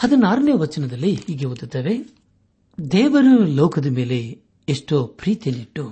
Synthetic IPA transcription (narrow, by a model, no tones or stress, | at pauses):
hɐd̪ɐnaːɾɐneːʋɐt͡ʃːɐnɐd̪ɐlːihiːɡeʋud̪ut̪ːɐʋe | d̪ɛːʋɐɾulɔːwkɐd̪ɐmeːleː | ʂʈoːpɾiːt̪eniʈːu